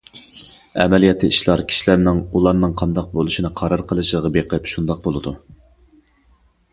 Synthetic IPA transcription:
ɛ̰mɛlijɛt̪ʰːɨiʃlˠɑɾkʲʰi̥ʃilæɾnɪŋulˠɑɾnɨŋqʰɑnd̪ɑq̚bolˠuʃinɨqʰɑɾɑɾqʰəlˠɨʃlʁɑbeqəpʃund̪ɑq̚bolˠɨd̪u

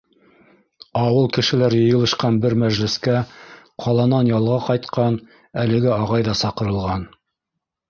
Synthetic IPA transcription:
ɑwɤlˠkɘ̆ʃɘ̆læɾjɤ̆jɤ̆lˠɤ̆ʃqɑnbɘɾmæʒlɘ̆skæ | qʰɑlˠɑnɑnjɑlˠʁɑqɑjt̪qɑn | ælɘ̆ɡɘɑʁɑjðɑsɑqɤ̆ɾɤ̆lˠʁɑn

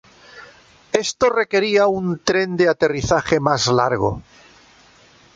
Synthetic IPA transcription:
e̞st̪ore̞ke̞ɾiaunt̪ɾe̞nd̪eat̪e̞riθaχe̞mazlaɾɣo̰

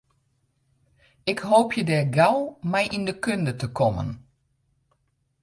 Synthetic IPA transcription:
ɪkhoːpʰjədɛːɡawmɛjʔindəkøndətəkʰɔmə̰n

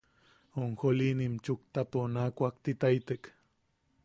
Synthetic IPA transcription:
oŋxolinimt͡ʃuk̚t̪aponaːkʷak̚t̪it̪ajt̪ek

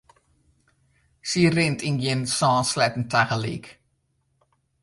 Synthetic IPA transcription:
sirɪntinɡɪnsɑ̃ːnslɛtn̩tʰaɣəlḭk

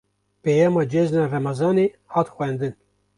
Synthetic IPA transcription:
pejɑːmɑːd͡ʒɛznɑrɛmɑzɑːneː | hɑːt̪xʷɛnd̪ɨn

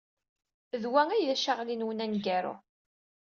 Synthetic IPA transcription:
ðwæŋæjðæʃaʁlinwənænɡæɾʊ̰

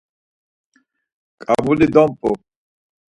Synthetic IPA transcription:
kʼabulid̪ɔmpʼu

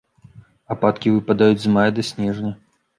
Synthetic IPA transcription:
apat̪kʲivɨpad̪ajud͡zʲzmajɐd̪ɐsʲnʲɛʐnʲɐ

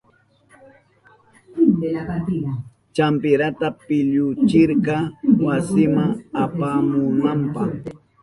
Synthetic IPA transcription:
t͡ʃampɪɾat̪apɪʎʊt͡ʃɪɾkɑwasɪmaŋapamʊnampɑχ

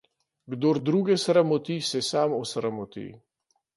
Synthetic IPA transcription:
ɡd̪oːɾd̪ɾuːɡɛsɾamɔt̪isɛsamɔsɾamɔt̪ḭ

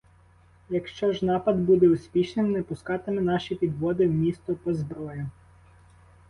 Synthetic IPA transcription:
jɐkʃt͡ʃɔʒnɑpɐd̪bud̪ɛʊspʲiʃnɪmnɛpʊskɑt̪ɪmɛnɑʃipʲid̪ʋɔd̪ɪwmʲist̪ɔpɔzbɾɔjʊ

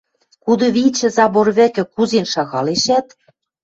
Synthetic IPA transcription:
kud̪ɤ̆βit͡ɕɘ̆zɑβorβɘ̆kɘ̆kuzenʃɑɣɑleʃæt̪̚

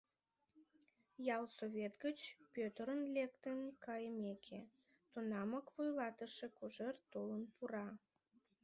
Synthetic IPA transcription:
jɑlsovʲet̪ɡət͡ɕpøt̪əɾənlekt̪ənkɑjəmekʰe | t̪unɑməkvujlɑt̪əʃekuʒert̪olənpuɾɑ

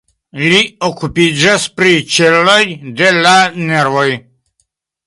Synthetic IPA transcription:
liokupid͡ʒaspɾit͡ʃelojd̪elaneɾvoj

